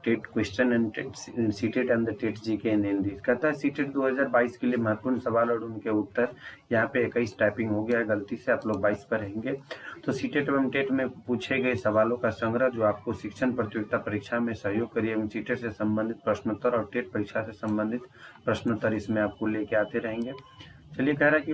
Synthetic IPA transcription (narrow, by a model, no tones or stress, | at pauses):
ʈeːʈkwesʈənɛnsiːʈeʈɐ̃nd̪ɾʈeːʈd͡ʒikeneːnd̪iːkɐt̪aɦɛsiːʈeːʈd̪oːɦɐzaːɾbaːiskeliemɐɦət̪̚puːnsɐʋaːlɔːɽʊnkeʊt̪ːəɾjɐɦãpeekəɪisʈɛːpɪ̃ŋɡɦoɡɐjaɦɛɡəlt̪iseaːploːɡ̚baːispəɾɐɦẽːŋɡet̪osiːʈeʈəmʈeːʈmẽpuːt͡ʃʰeɡɐesɐʋaːlõkasə̃ŋɡɾəd͡ʒoːaːp̚koʃɪkʃʰənpɾət̪joːɡt̪apɐɾikʃamẽsɐɦjoːɡ̚kɐɾiẽsiːʈeʈsesɐ̃mbə̃nd̪ʱɪt̪̚pɾəʃnt̪ːəɾɔːɾʈeːʈ̚pɐɾɪkʃʰasesɐ̃mbə̃nd̪ʱɪt̪pɾɐʃnət̪əɾɪsmẽaːp̚koleːkeaːt̪eɾɐɦẽːŋɡeː | t͡ʃɐliekɛɦɾaɦɛki